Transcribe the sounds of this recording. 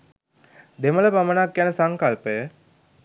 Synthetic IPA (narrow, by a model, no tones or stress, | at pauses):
d̪emələpamənakːjænəsaŋkalpəjə